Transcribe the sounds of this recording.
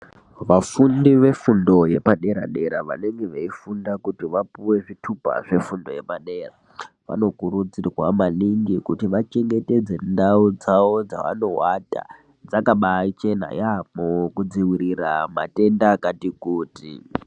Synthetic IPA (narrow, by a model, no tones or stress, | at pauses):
ʋafundiʋe̞fundo̞je̞paɗe̞ɾa̰ɗe̞ɾaʋa̰ne̞ŋɡe̞ʋaifundakutiʋapuwe̞ʐitʰupa̰ʐe̞fundo̞̰je̞paɗe̞ːra̰ | ʋa̰no̞kuɾud͡zirwa̰maliŋɡikutiʋat͡ʃe̞ŋɡe̞te̞d͡ze̞ndaud͡zao̞d͡za̰ʋa̰no̞wata̰ | d͡zakaɓat͡ʃe̞na̰jamukud͡ziwiɾirama̰te̞ndakatikuːtḭ